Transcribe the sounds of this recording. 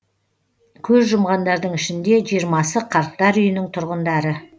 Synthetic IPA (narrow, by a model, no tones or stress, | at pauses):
kʲʰɵzʒʊmʁɑnd̪ɑɾd̪əɴɪʃɪnd̪e̞ʒijəɾmɑsəqʰɑɾq̚t̪ɑɾʏjɪnɪŋt̪ʰʊɾʁənd̪ɑɾə